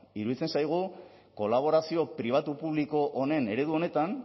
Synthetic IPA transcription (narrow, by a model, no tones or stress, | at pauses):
iɾuðit͡se̞nsajɣ̞u | ko̞laβ̞o̞ɾasio̞pɾiβ̞at̪upuβliko̞ʔone̞ne̞ɾe̞ð̞uo̞ne̞t̪an